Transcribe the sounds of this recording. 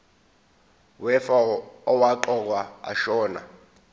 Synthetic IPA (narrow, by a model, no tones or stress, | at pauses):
wɛfaɔwaǃɔk̬waa̰ʃɔːna̰